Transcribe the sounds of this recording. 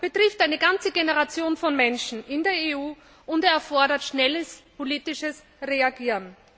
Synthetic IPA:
b̥ətʁ̥ɪftaɪnəɡant͡səɡenəʁat͡sjoːnfɔnmɛnʃn̩ʔɪndeːɐeuː | ʔʊnteɐɛɐfɔɐɾɐtʃnɛləspʰoliːtɪʃəs | ʁeaɡiːʁən

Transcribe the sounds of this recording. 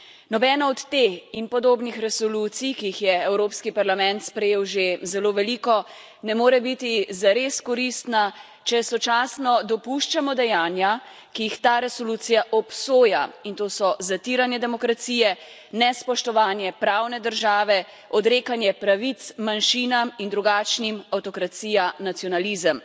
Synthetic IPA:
nɔbɛːnaɔt̪ːeːxinpɔd̪oːbnixɾɛsɔluːt̪sijkiixjɛɛwɾoːpskipaɾlamɛ̃nt̪spɾɛjeːwʒezɛloːʋɛliːkɔ | nɛmoːɾɛbit̪izaɾeːskɔɾist̪na | t͡ʃɛsɔt͡ʃaːsnɔd̪ɔpuʃt͡ʃamɔd̪ɛjaːnja | kijixt̪aɾɛsɔluːt̪sijaʔɔpsoːja̰int̪oːsɔzat̪iɾanjɛd̪ɛmɔkɾat̪siːjɛ | nɛspɔʃt̪ɔʋaːnjɛpɾaːwnɛd̪əɾʒaːʋɛ | ɔd̪ɾeːkanjɛpɾaʋit̪smanʃinamind̪ɾuɡat͡ʃnimawt̪ɔkɾat̪siːjanat̪siɔnalizəm

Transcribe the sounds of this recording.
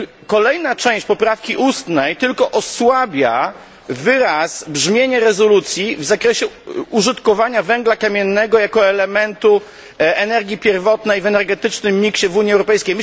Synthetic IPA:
kɔlɛjnat͡ʂɛ̃w̃ɕt͡ɕpɔpɾafkʲiʔust̪nɛjt̪ɘlkɔʔɔswabʲja | vɘɾasbʐmʲjeɲaɾɛzɔlut̪sʲjivzakɾɛɕɛuʐɨt̪kɔvaɲavɛŋɡlakamʲjɛnːɛɡɔjakɔɛlɛmɛnt̪u | ɛnɛɾɡʲipʲjɛɾvɔt̪nɛjvɛnɛɾɡɛt̪ɘt͡ʂnɘmːʲikɕɛvuɲiɛwɾɔpɛjskʲejm

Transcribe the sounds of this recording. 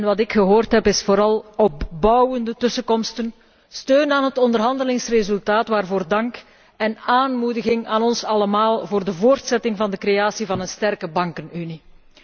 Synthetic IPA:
nʋɑtɪkxəɦoːrtɦɛpɪsfoːɾɑlˠɔpbʌwəndətɵsəkɔmstən | støːnaːnɦətɔndərɦɑndəlɪŋsrezɵlˠtaːtʋaːrvoːrdɑŋk | ɛnaːnmudəɣɪŋa̰ːnɔnsɑləmaːlˠvoːrdəvoːrtsɛtɪŋvɑndəkreaːsivɑnənstɛrkəbɑŋkənyni

